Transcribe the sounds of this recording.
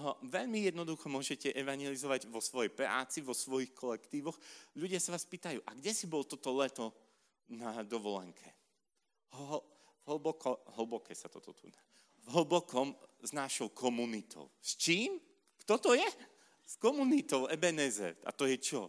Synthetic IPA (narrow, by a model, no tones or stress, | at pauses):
ɦɔʋɛʎmijɛd̪nɔd̪uxɔmʊɔʒɛcɛʔɛʋaɲjɛlizɔʋaɟʋɔsʋɔjɛjpɾa̰ːt͡siʋɔsʋɔjixkʰɔlɛkt̪iːʋɔxʎuɟɪasaʋaːspiːt̪ajuːʔaɡɟɛsibɔlt̪ɔt̪ɔlɛt̪ɔ | nad̪ɔʋɔlɛ̰ŋkʰɛ | ɦ | ɦlbɔkɔɦl̩bɔkɛːsat̪ɔt̪ɔt̪ṵna | vɦl̩bɔkɔmznaʃɔʊkʰɔmunit̪ʰɔ̰ʊst͡ʃiːm | kt̪ɔt̪ɔjɛ | skɔmunit̪ɔʊʔɛbɛnɛzɛ̰ɾt̪a̰t̪ɔjɛt͡ʃɔ